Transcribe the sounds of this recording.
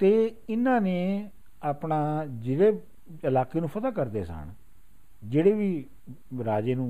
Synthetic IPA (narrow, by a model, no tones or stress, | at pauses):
t̪eːɪnãːneː | aːpɳaːd͡ʒeɽeː | ɪlaːkeːnũːpʰət̪aːkəɾd̪ḛːsa̰ːɳ | d͡ʒeːɽeːʋiː | ɾaːd͡ʒeːnũː